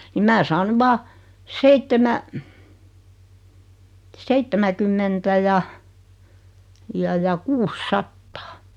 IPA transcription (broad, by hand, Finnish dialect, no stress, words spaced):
nim mæː sɑːn ny ʋɑː seitːemæ seitːemækymːentæ jɑ jɑ jɑ kuːsːɑtːɑ̥ː